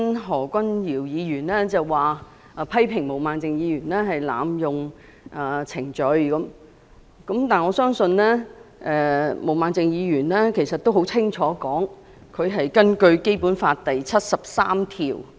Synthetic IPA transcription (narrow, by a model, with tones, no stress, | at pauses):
nɦɔː˨˩kʷɐ˥njiː˨˩wjiː˨˧jyː˨˩nlɛː˥t͡sɐ˨wwaː˨ | a˨˩pʰɐ˥jpʰɪ˨˩ŋmo˨˩wmaː˨˧nt͡sɪ˨ŋjiː˨˧jyː˨˩nlɛː˥ɦɐ˨jla̰ː˨˧mjʊ˨ŋ | ʔaː˨˩t͡sʰɪ˨˩ŋt͡ʃɵ˨˧ɥkɐ˨˥m | kɐ˨˥mt̪aː˨˩nŋɔː˨˧sœː˥ŋsɵ˧nlɛː˥ʔɛː˨mo˨˩wmaː˨˧nt͡sɪ˨ŋjiː˨˧jyː˨˩nlɛ˥kʰe˨˩jsɐ˨t̪̚o˥who˨˥wt͡sʰɪ˥ŋt͡ʃʰɔː˨˥kɔː˨˥ŋ | kʰɵ˨˧ɥɦɐ˨jkɐ˥nkɵ˧ɥke˥jpuː˨˥nfaː˧t̚t̪ɐ˨jt͡sʰɐ˥t̚sɐ˨p̚saː˥mt̪ʰiː˨˩w